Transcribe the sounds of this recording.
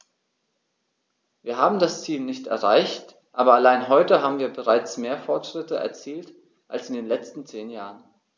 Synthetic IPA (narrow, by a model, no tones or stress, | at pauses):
viːɐɦaːbm̩dast͡siːlnɪçtɛ̰ɐʁaɪçt | ʔaːbɐalaɪnɦɔʏtəɦaːbm̩viːɐbəʁaɪt͡smeːɐfɔɐtʃʁ̥ɪtəʔɛ̰ɐt͡siːlt | ʔalsɪndeːnlɛt͡stn̩t͡seːnjaːʁən